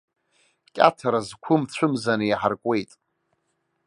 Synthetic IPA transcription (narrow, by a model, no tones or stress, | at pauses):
kʲʼa̰tʰaɾazkʷʰʊmt͡ɕʷʰʊmzanɨjaħarkʷʼe̞jtʼ